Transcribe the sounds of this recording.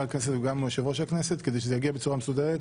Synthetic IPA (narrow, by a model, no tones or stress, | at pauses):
alknes̬et̪uɡamoʃevoʃakneset̪ked̪ejʃezejaɡiabet͡suʁamesud̪eʁet̪